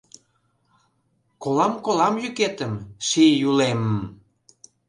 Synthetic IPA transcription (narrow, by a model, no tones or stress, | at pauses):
kolɑmkolɑmjyket̪əmʃijuleməm